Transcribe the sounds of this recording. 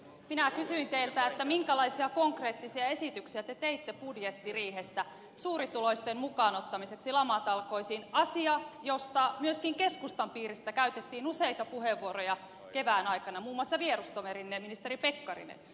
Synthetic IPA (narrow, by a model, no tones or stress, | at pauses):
minækysyint̪eilt̪æet̪ːæmiŋkælɑisiɑkoŋkre̞ːt̪ːisiɑe̞sit̪yksiæt̪e̞t̪eit̪ːepudjet̪ːiriːɦesːæ | suːɾit̪ulo̞ist̪emmukɑːnot̪ːɑmiseksilɑmɑt̪ɑlko̞isiːnɑsiɑjost̪ɑmyøskiŋke̞skust̪ɑmpiːɾist̪ækæyt̪et̪ːiːnuseit̪ɑpuɦeʋːuoɾojɑ | ke̞ʋæːnɑjkɑnɑmuːmːuɑsːɑʋieɾust̪omeɾinːeminist̪eɾipe̞kːɑrḭnḛn